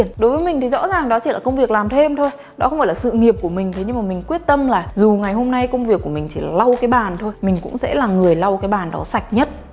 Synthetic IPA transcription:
ənɗo˨˦jvəː˨˦jmi˨˩ŋ̟t̪ʰi˨˩zɔ̰˧˥zaː˨˩ŋɗɔ˨˦t͡ɕi˧˩laː˨˩kə˧wŋ͡mvi˨˩ək̚laː˨˩mt̪ʰe˧mt̪ʰo˧j | ɗɔ˨˦xwŋ͡mfaː˧˩laː˨˩sɨ̰˧˨ŋi˨˩əp̚ku˧˩əmï˨˩ŋ̟t̪ʰe˨˦ɲɨ˧ŋmaː˨˩mï˨˩ŋ̟kwi˦˥ət̚t̪ə˧mlaː˨˩zu˨˩ŋa˨˩jɦo˧mna˧jkə˧wŋ͡mvi˨˩əkːu˧˩əmï˨˩ŋ̟t͡ɕʰi˧˩la̰ː˨˩la˧wkaː˨˦jɓaː˨˩nt̪ʰo˧jmï˨˩ŋ̟kʊ̰˧˥ŋ͡msɛ̰˧˥laː˨˩ŋɨ˨˩əjla˧wkaː˨˦jɓaː˨˩nɗɔ̰˨˦sa˨˩jk̟̚ɲə˦˥t̚

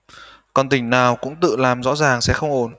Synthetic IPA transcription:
kɔ˨˩nt̪ï˧˩ŋ̟naː˨˩wkʊ̰˧˥ŋ͡mt̪ɨ̰˧˨laː˨˩mzɔ̰˧˥zaː˨˩ŋsɛ̰˧˥xə˧wŋ͡mʔo˧˩n

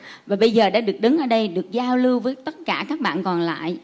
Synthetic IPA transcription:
vaː˨˩ɓə˧jzəː˨˩ɗa̰ː˧˥ɗɨ˨˩ək̚ɗɨ˨˦ŋʔəː˧˩ɗə˧jɗɨ˨˩ək̚zaː˧wlɨ˧wvəː˨˦jt̪ə˦˥t̚kaː˧˩kaː˦˥k̚ɓa̰ː˧˨nkɔ˨˩nla̰ː˧˨j

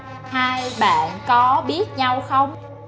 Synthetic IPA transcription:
haː˧jɓa̰ː˧˨nkɔ˨˦ɓi˦˥ət̚ɲa˧wxə˧wŋ͡m

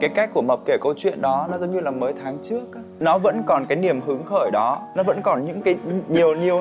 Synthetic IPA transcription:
kaː˨˦jka˦˥k̚kːu˧˩əmə˨˩k͡p̚ke˧˩kə˧wt͡ɕwḭ˧˨ənɗɔ˨˦nɔ˨˦zə˨˦ŋ͡mɲɨ˧laː˨˩məː˨˦jt̪ʰaː˨˦ŋt͡ɕɨ˦˥ək̚ | nɔ˨˦və̰˧˥nkɔ˨˩nkaː˨˦jni˧˩əmɦɨ˨˦əŋxəː˧˩jɗɔ˨˦nɔ˨˦və̰˧˥nkɔ˨˩nɲɨ̰˧˥ŋkaː˨˦jɲi˨˩əwɲi˨˩əw

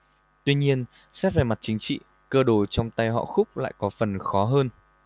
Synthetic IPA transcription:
t̪wi˧ɲi˧ən | sɛ˦˥p̚vaː˨˩ma˨˩t̚t͡ɕï˨˦ŋt͡ɕḭ˧˨ | kəː˧ɗo˧˩t͡ɕɔ˧wŋ͡mt̪a˧jɦɔ̰˧˨xʊ˦˥k͡p̚la̰ː˧˨jkɔ˨˦fə˨˩nxɔ˨˦ɦəː˧n

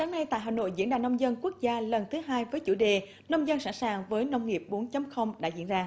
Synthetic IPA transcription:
saː˨˦ŋna˧jt̪a̰ː˧˨ɦaː˨˩no̰˧˨jzḭ˧˥ənɗaː˨˩nə˧wŋ͡mzə˧nku˦˥ək̚zaː˧lə˨˩nt̪ʰɨ˨˦ɦaː˧jvəː˨˦jt͡ɕu˧˩ɗe˨˩ | nə˧wŋ͡mzə˧nsaː˧˩nsaː˨˩ŋvəː˨˦jnə˧wŋ͡mŋi˨˩əp̚ɓo˨˦nt͡ɕə˨˦mxə˧wŋ͡mɗa̰ː˧˥zḭ˧˥nzaː˧

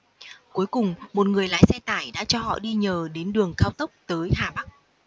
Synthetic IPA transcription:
ku˨˦jkʊ˨˩ŋ͡mmo˨˩t̚ŋɨ˨˩əjlaː˨˦jsɛ˧t̪aː˧˩jɗa̰ː˧˥t͡ɕɔ˧hɔ̰˧˨ɗi˧ɲəː˨˩ɗe˨˦nɗɨ˨˩əŋkaː˧wt̪ə˦˥wk͡p̚t̪əː˨˦jhaː˨˩ɓa˦˥k̚

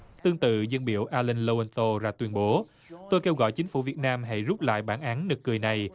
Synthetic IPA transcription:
t̪ɨ˧əŋt̪ɨ̰˧˨zə˧nɓḭ˧˨əwʔaː˧lə˧nlo˧ə˧nso˧zaː˧t̪wi˧ənɓo˨˦ | t̪o˧jke˧wɣɔ̰˧˨jt͡ɕï˨˦ŋ̟fṵ˧˩vi˨˩ət̚naː˧mɦa̰˧˩jzu˦˥p̚la̰ː˧˨jɓaː˧˩nʔaː˨˦nnɨ˨˩k̚ːɨ˨˩əjna˨˩j

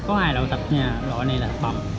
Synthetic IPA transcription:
kɔ˨˦haː˧jɗo̰˧˨t̪ə˨˩p̚ɲaː˨˩zɔ̰˧˨jnə˧laː˨˩ɓa˨˩ŋ͡m

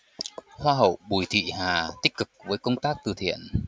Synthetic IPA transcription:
hwaː˧ɦə˨˧˩wɓu˧˩jt̪ʰḭ˧˨ɦaː˨˩t̪ï˦˥k̟̚kɨ˨˩k̚vəː˨˦jkə˧wŋ͡mt̪aː˦˥k̚t̪ɨ˨˩t̪ʰḭ˧˨ən

